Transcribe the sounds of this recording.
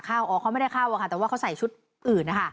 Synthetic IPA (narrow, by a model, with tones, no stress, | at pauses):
kʰaː˥˩wʔɔː˨˦kʰa˧˥wma˥˩jda˥˩jkʰaː˥˩wʔa˧kʰa˧˥˩ɛː˨˩waː˥˩ka˧˥wsa˨˩jt͡ɕʰu˦˥t̪̚ | ʔɯː˨˩nːa˦˥kʰa˥˩